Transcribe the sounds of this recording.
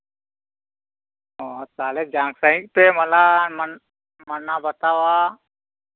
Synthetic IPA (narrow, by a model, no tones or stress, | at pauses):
ɦot̪aːled͡ʒãːŋksə̃ɪk̚peməlamən | mənːabət̪aːʋa